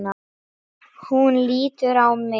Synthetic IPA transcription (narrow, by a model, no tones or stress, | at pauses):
na | hunliːt̪ʏɾawmɪ